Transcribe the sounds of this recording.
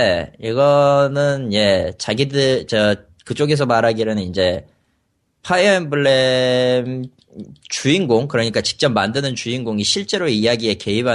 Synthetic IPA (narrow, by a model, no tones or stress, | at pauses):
eiɡʌnɯnje̞t͡ɕaɡidɯt͡ɕʌ | kɯt͡ɕ͈oɡe̞s̬ʰʌmaɾaɡiɾɯnɯnind͡ʑe̞ | pʰaiembɯɭːem | t͡ɕuinɡoŋkɯɾʌɲik͈at͡ɕi̥k̚t͡ɕ͈ʌmmːandɯnɯnt͡ɕuinɡoŋiɕʰiɭt͡ɕ͈e̞ɾoijaɡie̞ke̞iba